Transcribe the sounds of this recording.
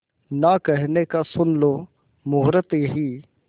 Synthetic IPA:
nakɛɦnekasʊnlo | mʊɦɾət̪iɦiː

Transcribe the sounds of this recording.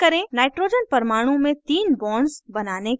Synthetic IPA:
kɐɾẽnaːɪʈɾoːd͡ʒənpɐɾmaːɽ̃ũmẽt̪iːnbɔːɳɖzbɐnaːne

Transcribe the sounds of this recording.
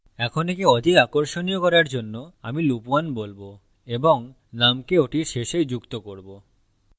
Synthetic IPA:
ɛkʰonekeɔd̪ʱiakoɾʃoniokɔɾaɾd͡ʑonːoa̰milupuanbolbo | eboŋ | namkeoʈiɾʃeʃejd͡ʑukt̪okoɾbo

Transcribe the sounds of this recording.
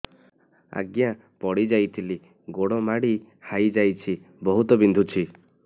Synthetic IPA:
a̰ɡja | pɔɽid͡ʒajt̪ʰili | ɡoɽɔmaɽi | hajd͡ʒajt͡ʃʰi | bɔɦut̪ɔbind̪ʱut͡ʃʰi

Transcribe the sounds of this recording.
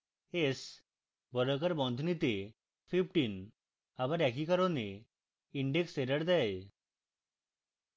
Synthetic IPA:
es | bɔɾəkaɾbɔnd̪ʱnit̪e | pʰip̚ʰʈin | abaɾɛkikaɾɔne | iɳɖekseɾəɽd̪ɛj

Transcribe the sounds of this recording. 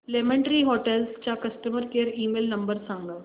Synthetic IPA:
lemẽɳʈəɾiɦoʈelst͡ɕakəsʈəməɾkeːɾiːmelnəmbəɾsãŋɡa

